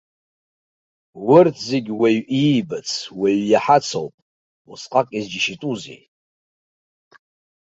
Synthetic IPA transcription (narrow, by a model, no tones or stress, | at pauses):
wʊrtʰzeɡʲwejibɨt͡sʰweɥjaħat͡sʰo̰wpʼ | usqʼakʼizd͡ʒiʃitʼuzḛ